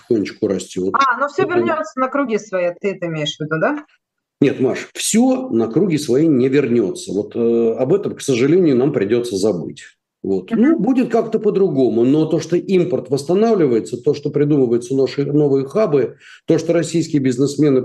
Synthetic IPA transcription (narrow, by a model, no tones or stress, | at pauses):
ɪxonʲːɪt͡ɕkʊɾɐsʲtʲot̪anofsʲovʲɪrnʲot̪sənəkɾʊɡʲisvɐit̪ɨɛt̪əɪmʲejɪʂvʲɪd̪ud̪a | nʲe̞t̪ma̰ʂfsʲonəkɾuɡʲɪsvɐinʲɪvʲɪrnʲo̞̰t̪səvo̞t̪ʰɐbɛt̪əmksəʐɨlʲenʲɪjʊnampɾʲɪdʲo̞t̪səzɐbɨ̰tʲ | vo̞t̪nubudʲɪt̪̚kakt̪əpəd̪ɾʊɡo̞mʊno̞t̪o̞ʂt̪oʔimpərt̪vəst̪ɐnavlʲɪvəjɪt̪sət̪o̞ʂt̪opɾʲɪd̪uməvəjɪʊt̪sənaʂɨno̞vɨjəxabɨ | t̪o̞ʂt̪oɾɐsʲijskʲɪjəbʲɪznɨsmʲe̞nɨ